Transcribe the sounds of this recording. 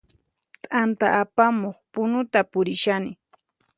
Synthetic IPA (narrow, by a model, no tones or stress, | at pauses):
t̪ʼant̪aʔːpamoχpʊnʊt̪apʊɾɪʃanɪ